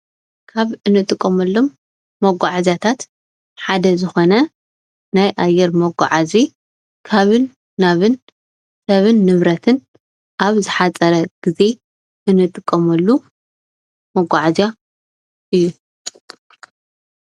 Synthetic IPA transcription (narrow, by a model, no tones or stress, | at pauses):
kʰaβɨnɨt̪ʼɨkʼːɐmɐlːomː | ɐɡʷaʕazat̪ʰat̪ | ħad̪ɐzɨxo̞nɐ | najʔajɛɾmɐɡʷa̰ʕazi | kʰaβɨnː | aβɨn | sɐβɨnːɨβɾɐt̪ʰɨn | ʔaβzɨħat͡sʼɐɾɐɡ̥ize̞ | ʔɨnɨt̪ʼɨkʼːɐmɐlːu | mɐɡʷaʕaza | ʔɨjːu